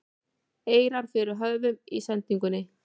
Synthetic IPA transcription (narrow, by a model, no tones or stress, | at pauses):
eːjɾaɾ̥fɪɾʏɦœðvʏmḭsant̪iŋkʏnːɪ